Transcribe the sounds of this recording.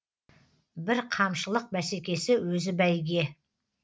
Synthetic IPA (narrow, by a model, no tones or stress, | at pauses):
bɪɾqʰɑmʃəlˠəq̚bæse̞kʲe̞sɪwɵzɪbæjɡʲe̞